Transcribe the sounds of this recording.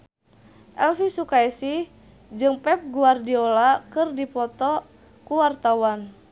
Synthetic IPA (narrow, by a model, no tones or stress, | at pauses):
ʔɛlfisukaɛsi | d͡ʒɨŋpɛp̚ɡuardiɔlakɨrdipɔt̪ɔ | kuwart̪awan